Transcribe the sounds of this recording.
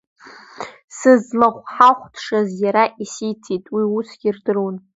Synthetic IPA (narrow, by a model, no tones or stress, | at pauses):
sɨzmaχʷħaχʷtʰʂazjaɾaʔisijtʰitʼwiusɡʲirdɨrwun